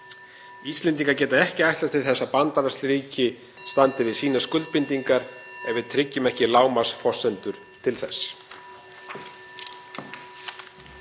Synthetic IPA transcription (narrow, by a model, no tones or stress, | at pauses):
ist̪lɛnt̪̬iŋkaɾcɛːt̪aɛhcɪajht̪aɾ̥t̪ʰɪθɛsːapant̪aɾast̪ɾiːcɪ | st̪ant̪ɪvɪsiːnaskʏlt̪̚pɪnt̪iŋkaɾɛvɪðt̪ʰɾɪcːʏmɛhcɪlaːwmasfɔsːɛnt̪ʏɾ̥ | t̪ʰɪlθɛsː